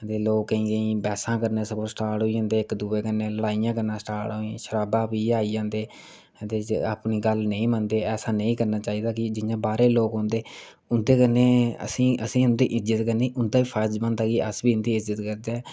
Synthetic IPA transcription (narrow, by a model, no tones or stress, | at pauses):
t̪eːloːkːəĩːɡəĩːbɛːsãːkəɾneːsəkoːsʈaːɾʈɦoːiõːnd̪eːɪkd̪uːeːkənːeːləɽaːijãːk̬əɾnãːsʈaːɾʈɦoːĩːʃəɾaːbãːpiːaːiːd͡ʒãːnd̪eː | t̪eːa̰ːpniːɡəlnəĩːmənd̪eːɛːsaːnəĩːkəɾnaːt͡ʃaːiːd̪aːkɪd͡ʒɪjãːbaːɾeːloːkɦõːnd̪eː | ʊnd̪eːkənːeːə̰sĩːə̰sĩːʊnd̪iːʔɪzət̪kəniːʊnd̪aːbiːpʰad͡ʒmə̃nd̪aːkiːəsbiːʊnd̪iːɪzət̪kəɾd̪eː